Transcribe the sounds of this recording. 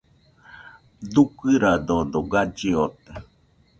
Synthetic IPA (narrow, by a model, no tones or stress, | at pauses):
d̪ukɨɾad̪ond̪oɡad͡ʒeot̪e